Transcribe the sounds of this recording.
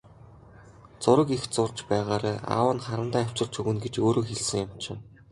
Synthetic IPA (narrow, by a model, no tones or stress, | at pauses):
t͡sʊɾə̆kixt͡sʊrt͡ɕpæːʁaːɾaːa̰ːwə̆nχaɾə̆nt̪æːaw̥ʲt͡ɕɪ̆rt͡ɕʰɵɣɘ̆nɡet͡ɕoːɾoːxeɮsɘ̆ŋjʊmt͡ɕʰɪ̆